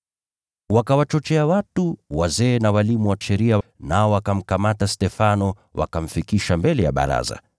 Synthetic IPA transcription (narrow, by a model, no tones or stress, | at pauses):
wakawat͡ʃɔt͡ʃɛawatuwazɛːnawalimuwaʃɛɾianaɔwakam̩kamatastɛfanɔ | wa̰kam̩fikiʃambɛlɛja̰ɓa̰ɾa̰za̰